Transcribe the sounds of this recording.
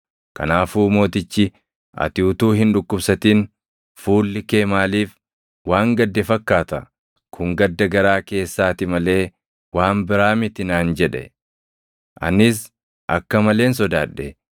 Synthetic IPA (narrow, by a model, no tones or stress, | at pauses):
kɐ̰naːfuːmo̞ːt̪ɪt͡ʃːɪ | ɐ̰t̪ɪːt̪uːɦɪnᶑʊkːʊbsɐt̪iːn | fuːlːɪke̞ːmaːliːf | waːŋɡɐd̪ːɛfɐkːaːt̪ɐ̰ | kʰʊŋɡɐd̪ːɐɡɐɾaːke̞ːsːaːt̪ɪmɐle̞ː | waːmbɪɾaːmɪt̪ɪnaːnd͡ʒɛᶑɛ̰ | ʔɐ̰nɪs̬ | ʔɐkːɐmɐle̞ːns̬ɔd̪aːᶑːɛ